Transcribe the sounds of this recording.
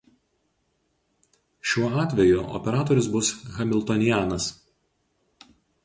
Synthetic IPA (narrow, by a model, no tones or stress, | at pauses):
ʃʲuɔɑːt̪ʲʋʲɛjʊʔɔ̰pʲɛɾɑːt̪ɔɾʲɪsbʊsɣɐmʲɪlˠʲt̪ɔnʲɪjæːnɐs